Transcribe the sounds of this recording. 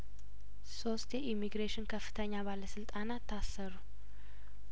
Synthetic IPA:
so̞st̪jɛʔimːiɡɾeʃɪnkʰəfːɨ̥t̪ʰəɲːabaləsɨlt̪ʼanat̪ʰːasːəɾu

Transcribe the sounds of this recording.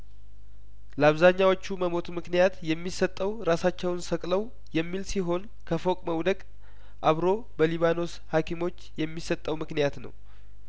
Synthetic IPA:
ləaβzaɲːawot͡ʃːuməmo̞t̪mɨknijat̪jɛmːisət̪ʼːəwɾasat͡ʃːɛwnsəkʼləw | jɛmːilsiɦo̞n | kʰəfo̞kʼməwd̪əɡʼ | ʔaβɾo̞ | bəliβano̞s | hakʰimo̞t͡ʃːjɛmːisət̪ʼːəwmɨknijat̪nə̰w

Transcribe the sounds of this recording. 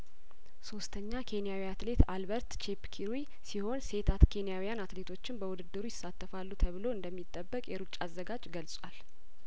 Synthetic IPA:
so̞st̪ʰəɲːakʰe̞nijawijat̪le̞t̪albəɾt̪t͡ʃʰepkʰiɾwi | siho̞nse̞t̪ʰat̪kʰe̞nijawijanat̪le̞t̪ʰo̞t͡ʃːɪnbəwud̪ɨd̪ɨɾujɪsːat̪ʰːəfalːut̪ʰəβɨlo̞ɨnd̪əmːit̪ʼːəbːəkʼjɛɾut͡ʃʼːazːəɡad͡ʒɡəlsʼwal

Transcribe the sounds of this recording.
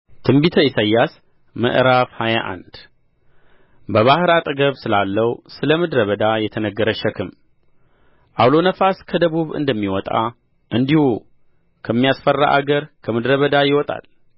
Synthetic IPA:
t̪ʰɨmbit̪ʰəisajːas | mə̰ʔɾafhajaʔa̰nd̪̥ | bəβahɾat̪ʼɨɡəβsɨlalːəwusɨləmɨd̪ɾəβəd̪ajɛt̪ʰənəɡːəɾəʃəkʰɨm | ʔawlo̞nəfaskʰəd̪əβuβɨ̰nd̪əmːiwɔt̪ʼa̰ | ʔɨnd̪ihu | kʰəmːijasfərːa̰ʔa̰ɡəɾkʰəmɨd̪ɾəβəd̪ajɪwɔt̪ʼa̰l

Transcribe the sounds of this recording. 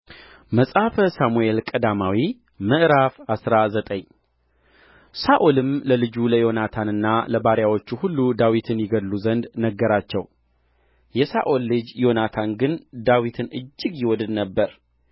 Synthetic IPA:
məsʼafəsamuelkʼəd̪amawi | mɨʔɾafasɾazət̪ʼəɲ | saʔolɨmləlɨd͡ʒuləjo̞nat̪ʰanɨnːaləbaɾjawo̞t͡ʃːuhulːud̪awit̪ʰɨnjɪɡəd̪luzənd̪nəɡːəɾat͡ʃːɛw | jɛsaʔo̞lːɨd͡ʒjo̞nat̪ʰanɡɨnd̪awit̪ʰɨnɨ̰d͡ʒːɪɡjɪwɔd̪ɨd̪nəbːəɾ

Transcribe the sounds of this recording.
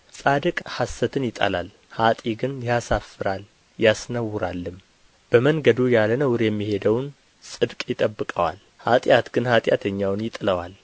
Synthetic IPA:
sʼad̪ɨkʼhasːət̪ʰɨnjɪt̪ʼa̰lal | hat̪ʼiɡɨnjasafːɨɾal | jasnəwːʊɾalːɨm | b̥əməŋɡəd̪ujalənəwʊɾjɛmːihe̞d̪əwn | sʼɨd̪kʼjɪt̪ʼəbːɨkʼəwa̰l | hat̪ʼjat̪ɡ̥ɨnhat̪ʼjat̪ʰəɲːawnjɪt̪ʼɨləwa̰l

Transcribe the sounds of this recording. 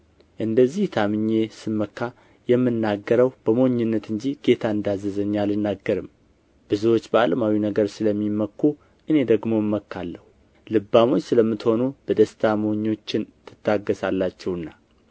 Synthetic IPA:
ʔɨnd̪əzːiht̪ʰamɨɲːe̞sɨmːəkʰːa | jɛmːɨnːaɡːəɾəwb̥əmoɲːɪnːət̪ɨɲd͡ʒiɡe̞t̪ʰaɨnd̪azːəzəɲːalɨnːaɡːəɾɨm | b̥ɨziwo̞t͡ʃːbəaləmawinəɡəɾsɨləmːimːəkːu | ʔɨne̞d̪əɡmo̞ɪmːəkːalːəhu | lɨbːamo̞t͡ʃːsɨləmːɨt̪ho̞nub̥əd̪əst̪ʰamoɲːo̞t͡ʃːɪnt̪ʰɨt̪ʰːaɡːəsalːat͡ʃːɛwɨnːa

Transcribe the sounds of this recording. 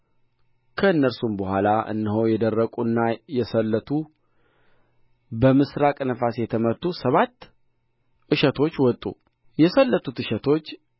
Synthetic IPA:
kʰəɨnːəɾsumbəɦʷwʷalaʔɨ̰nːɨhowjɛd̪ərːəkʼuɨnːajɛsəlːət̪ʰu | bəmɨsɾakʼnəfasjɛt̪ʰəməɾt̪ʰːusəβat̪ː | ʔɨʃət̪ʰo̞t͡ʃːwɔt̪ʼṵ | jɛsəlːət̪ʰut̪ɨʃɛt̪ʰo̞t͡ʃː

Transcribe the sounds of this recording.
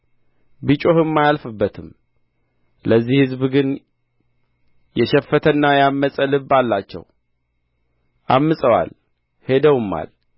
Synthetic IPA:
bɨt͡ʃʼo̞hɨmːajalfɨbːət̪ʰɨm | ləzːihɨzbɡɨn | jɛʃɛfːət̪ʰənːajamːəsʼəlɨbalːat͡ʃːɛ̰w | ʔamːɨsʼəwa̰l | he̞d̪əwɨmːa̰l

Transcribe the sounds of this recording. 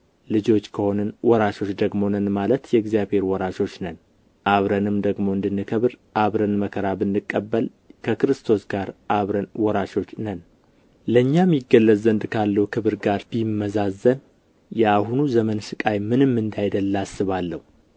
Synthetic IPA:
lɨd͡ʒo̞t͡ʃːkʰəho̞nɨnwɔɾaʃo̞t͡ʃːd̪əɡmo̞nənmalət̪jɛɡzijaβhe̞ɾwɔɾaʃo̞t͡ʃːnən | ʔaβɾənɨmd̪əɡmo̞ɨnd̪ɨnːɨkʰəβɨɾʔaβɾənməkʰəɾabɨnːɨkʼːəbːəl | kʰəkɨɾɨst̪ʰo̞sɡaɾʔaβɾənwɔɾaʃo̞t͡ʃːnən | ləɲːamjɪɡəlːəzənd̪kʰalːəwukʰɨβɨɾɡaɾbimːəzazːən | jɛaɦunuzəmənsɨkʼajmɨnɨmːɨnd̪ajd̪əlːasːɨβalːəhu

